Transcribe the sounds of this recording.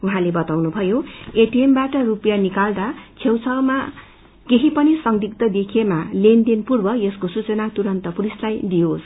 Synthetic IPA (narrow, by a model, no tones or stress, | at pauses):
uɦãlebʌt̪awnubʱʌjoeʈiembaʈʌrupjanikald̪at͡sʰewt͡sʰʌwma | keɦipʌnisʌŋd̪ʱik̚t̪ʌd̪ekʰijemalend̪enpurbʌjʌskosut͡sʌnat̪uɾʌnt̪ʌpuɾislajd̪ijos